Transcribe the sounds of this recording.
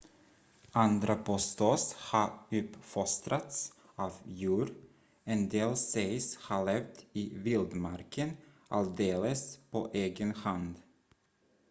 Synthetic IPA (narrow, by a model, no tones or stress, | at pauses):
and̪ɾapʰɔst̪ɔshɑɾʉpfɔst̪ɾat̪s | ɑːvjʉːɾ | ɛnd̪eːlsɛɪshɑɭɛvd̪ɪvɪld̪maɾkʰənʔald̪eːləspʰoʔeːɡənhand̪